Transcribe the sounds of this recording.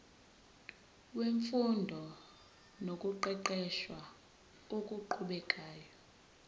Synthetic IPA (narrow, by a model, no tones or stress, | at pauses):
weɱfundʱɔ | nokʼuǃɛǃɛʃwa | okʼuǃʰuɓɛkʼaːjɔ